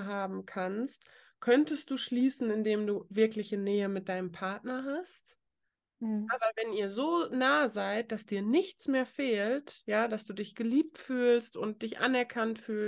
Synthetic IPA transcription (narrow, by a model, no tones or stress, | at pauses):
ɦaːbm̩kʰanst | kʰœntəst̚d̥uːʃliːsn̩ɪndeːmduːvɪɐklɪçənɛːəmɪt̚d̥aɪnəmpʰaɐtnɐɦast | avavɛniːɐzoːnaːzaɪt̚d̥asd̥iːɐnɪçt͡smeːɐfeːltjaːd̥asd̥uːdɪçɡ̥əliːp̚tfyːlstʊnt̚d̥ɪçʔa̰nɛɐkʰantfyː